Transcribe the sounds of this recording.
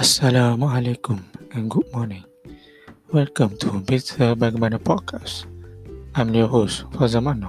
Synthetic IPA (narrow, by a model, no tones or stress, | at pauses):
asːalamaalekumɛ̃nɡud̚mɔnɪ̃ŋ | wɛlkə̃mt̪ʰubit̪ʰəbaɡmãnəpʰɔdkʰas | ãmloɦosfɔzamana